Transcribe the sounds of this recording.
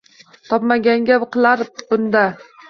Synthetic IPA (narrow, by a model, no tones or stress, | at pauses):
t̪ʰɒpmaɡʲaŋɡʲapqʰɨlˠaɾbʊnd̪a